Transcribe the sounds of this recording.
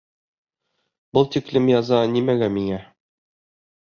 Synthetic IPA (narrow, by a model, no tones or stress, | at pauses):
bɤlˠt̪iklɘmjɑzɑnimæɡæmiŋæ